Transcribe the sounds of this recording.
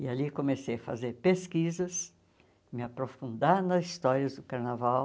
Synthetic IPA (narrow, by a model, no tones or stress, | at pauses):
ɪalikomesejɐfa̰zeɾpeskizɐs | mɪapɾofũnd̪aɾnɐzist̪ɔɾiɐzd̪ʊkaɾnavaw